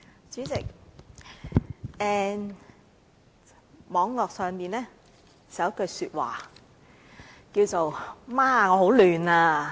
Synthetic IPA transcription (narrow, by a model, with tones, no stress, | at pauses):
t͡syː˨˥t͡sɪ˨k̚ | ɛː˨n | mɔː˨˧ŋlɔː˨k̚sœː˨ŋmiː˨˩nɛː˥ | t͡sɐ˨wkːɵ˧jsyː˧t̚wa̰ː˨˩ | kiː˧wt͡so˨wmaː˥˨ŋɔː˨˧ɦo˨˥wlyː˨˩naː˧